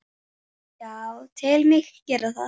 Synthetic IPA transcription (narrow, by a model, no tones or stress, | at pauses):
jawt̪ʰɪlmɪxcɛːɾaθa̰